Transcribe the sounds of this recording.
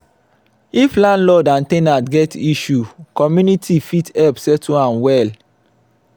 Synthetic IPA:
iflãnlɔdãntẽnatɡɛtiʃukɔmjunitʰifitɛpsɛtʰuãnwɛl

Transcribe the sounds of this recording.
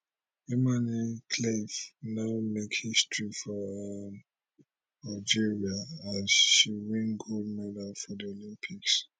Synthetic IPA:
ɛmanikʰlevnaʊmekhistɹifɔm | ad͡ʒiɹiaazʃiwĩnɡud̚mɛdəlfɔdiolĩmpʰiks

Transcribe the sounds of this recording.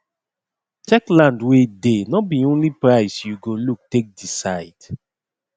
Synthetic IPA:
t͡ʃɛklãndwedenɔbiõnlipɹaɪsjuɡoluk̚tek̚disaɪd

